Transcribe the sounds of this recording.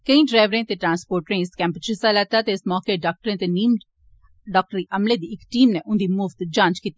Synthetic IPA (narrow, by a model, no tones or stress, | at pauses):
kəĩɖɾaːɪʋɾẽːt̪eːʈɾãːnspoːɾʈɾẽːɪskɛ̃ːmpət͡ʃɪsalɛːt̪aːt̪eɪsmɔːkeɖaːk̚ʈəɾẽːt̪eniːm | ɖaːk̚ʈəɾiʔəmleːd̪iːɪkʈiːmneʔʊnd̪iːmuːʋt̪d͡ʒãːnt͡ʃkiːt̪ːi